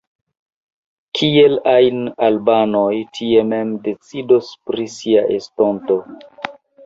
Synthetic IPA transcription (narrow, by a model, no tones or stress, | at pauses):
kʰie̞lajnalbanojtʰie̞me̞mde̞t͡sidospɾisiaʔestonto̞